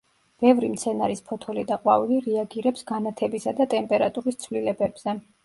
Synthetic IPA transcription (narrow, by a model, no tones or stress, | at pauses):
b̥ɛvɾimt̪sʰɛnaɾispʰɔt̪ʰɔlid̪aqʼwaviliɾiaɡiɾɛpsɡanat̪ʰɛbisad̪at̪ʼɛmpʼɛɾat̪ʼuɾist̪sʰvlilɛbɛb̥z̥ɛ